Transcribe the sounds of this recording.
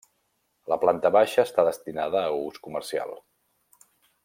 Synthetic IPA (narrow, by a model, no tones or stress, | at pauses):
ləplant̪əβaʃəːst̪aðəst̪inaðəːuskumərsia̰lˠ